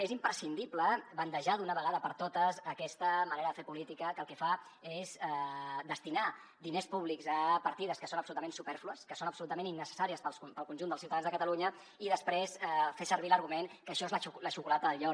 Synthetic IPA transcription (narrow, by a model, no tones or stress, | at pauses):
ezimpɾəsind̪ipləβənt̪əʒaðunəβəɣaðəpəɾt̪ot̪əzəkɛst̪əməneɾəðəfeɾpulit̪ikəkəːlˠkɛfa | ezɛd̪əst̪ina | d̪inespuβlikzəpəɾt̪iðəskəsonəpsulut̪əmẽnsupɛɾfluəskəsonəpsulut̪əmẽninːəsə̥saɾiəspəlsupəlˠkunʲʒund̪əlsiuwt̪aðanzðəkət̪əluɲə | iðəspɾesɛfesəɾβ̞iləɾɣumeŋkəʃɔezləuləʃukulɛt̪əðəʎɔ